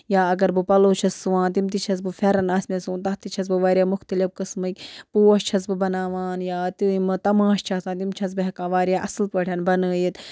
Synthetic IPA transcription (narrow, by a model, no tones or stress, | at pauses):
jaːɐɡɐɾbɨpɐloːt͡ʃʰɐsːɨʋãːnt̪imt̪it͡ʃʰɐs̬bɨfʲɛɾɐnaːsmʲesuːnt̪ɐɦt̪it͡ʃʰɐs̬bɨʋaːɾʲjaːmʊxt̪ɐlifkɨsmɨkʲpuːɐʃt͡ʃʰɐs̬bɨbɐnaːʋaːnjaːt̪imɨt̪ɐmãːʃt͡ʃʰaːsaːnt̪̬imt͡ʃʰɐs̬bɨɦɐkaːʋaːɾʲjaːʔɐsɨlpəːʈʰʲɐnbɐnəːjit̪